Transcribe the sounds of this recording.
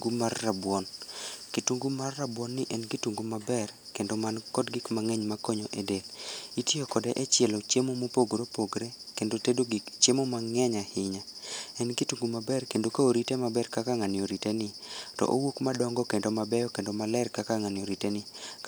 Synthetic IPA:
ɡumarːabwɔnkituŋɡumarːabwɔnːɪʔɛnɡituŋɡumabɛrkendomankɔdɡɪkmaŋɛɲmakɔɲoʔedelitjokɔdeʔɛt͡ʃjɛlot͡ʃemomopoɡɾopoɡɾekendotedoɡt͡ʃemomaŋɛɲahɪɲaɛnɡituŋɡumabɛrkendokaoɾitemabɛrkakaŋanjoɾitenɪtɔ̰ʔowokmadɔŋɡɔkendomabɛjɔkendomalɛrkakaŋanɪoɾitenɪ

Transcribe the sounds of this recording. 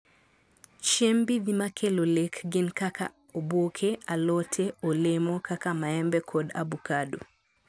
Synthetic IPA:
t͡ʃembiðimakʰelolekɡɪnkakʰa̰ | obokʰealɔtʰeolemɔkakamaɛmbɛkʰɔda̰bukado̰

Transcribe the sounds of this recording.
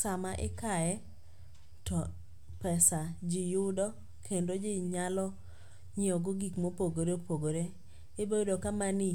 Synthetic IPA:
samaʔɪ̰kajɛ | tɔ | pɛsad͡ʒɪjʊdɔ | kʰendod͡ʒɪɲalɔ | ɲeɔɡoɡikmopoɡoɾeopoɡoɾe | ɪbedokamanɪ

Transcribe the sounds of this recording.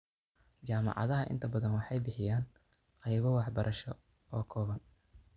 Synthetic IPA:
t͡ʃaːmɑ̰ʕɑ̰ðɐɦɐʔɪ̰nt̪ʰɐbɐðɐnwɑħɑjbɪħɪjaːn | qɑjβɐwɑħbɐɾʔɐʃɔ | ɔːkʰɔːβɐn

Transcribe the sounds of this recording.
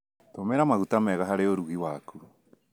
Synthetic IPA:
tomeɾamaɣutamɛɣaɦaɾeoɾuɣiwaːku

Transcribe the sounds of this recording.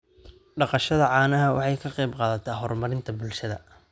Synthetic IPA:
ɖɑqɑʃɐðɐʕɑːnɐɦɐwɑ̰ħɑjkʰɐqɛjbqɑːðɐt̪ʰɛːɦɔrmɐɾɪnt̪ʰɐbʊlʃɐðɐ̰

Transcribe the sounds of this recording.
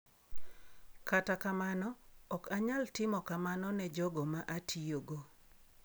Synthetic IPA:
katakamanɔɔkaɲaltɪmɔkamanɔnɛd͡ʒɔɡɔmaʔatʰioɡo

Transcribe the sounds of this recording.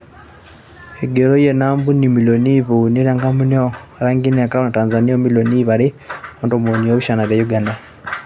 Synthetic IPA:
eɡeɾojenaːmbunimiloniβuneɾaŋɡamunoaɾaŋɡinakaɾaβonataːnzaniamiloniβaɾiondomoɲioβuʃanaɾjajuɡanda

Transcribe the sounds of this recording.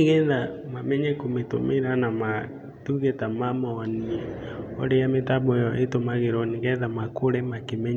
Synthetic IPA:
ɣɛðamamɛɲɛkometomeɾanama | tuɣetamamɔːniɛ | ɔ̰ɾejametaβɔjɔʔetomaɣeɾɔneɣɛðamakoɾemakemɛɲ

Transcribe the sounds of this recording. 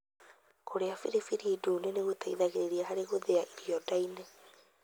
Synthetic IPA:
koɾeafiɾifiɾiːduːneneɣot̪aiðaɣeɾeɾiaɦaɾeɣoðeaʔiɾiɔdainɛ

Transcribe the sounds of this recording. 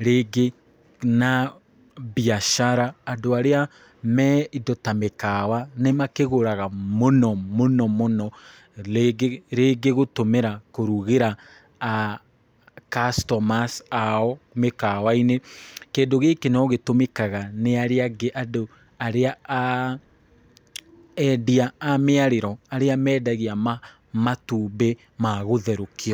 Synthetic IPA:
ɾeɡe | na | biaʃaɾaːdoaɾea | mɛidotamekawanemakeɣoɾaɣamonɔmonɔmonɔ | eɡeɾeɡeɣotomeɾakoɾuɣeɾa | a | kastɔmasaɔmekawainekeːndoɣekenɔɣetomekaɣaneaɾeaɡeʔado | aɾeaa | ɛdiaːmeaɾeɾɔaɾeamɛːdaɣiama | matuːbe | maɣoðɛɾokiɔ

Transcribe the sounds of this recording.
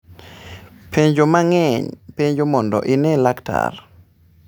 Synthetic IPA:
pʰeɲd͡ʒomaŋɛɲpeɲd͡ʒomɔndɔ̰ʔɪnɛlakta̰r

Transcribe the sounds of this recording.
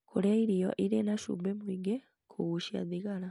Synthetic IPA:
kʰuleiɾijo̰ʔiɾenaʃṵbemwiːɡe | kʰuɣuʃja̰ðiɡala

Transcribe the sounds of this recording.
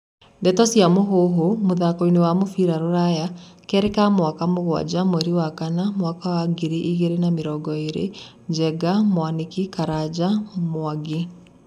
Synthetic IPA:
dɛtɔsiamoɦoɦomoðakoinewamofiɾaɾoɾaja | kɛɾekamwakamoɣwa̰d͡ʑamoɛɾiwakanamwakawaɡiɾiʔiɣeɾenameɾɔɡɔeɾḛ | d͡ʒɛɡamwanekikaɾad͡ʑamwaɡi

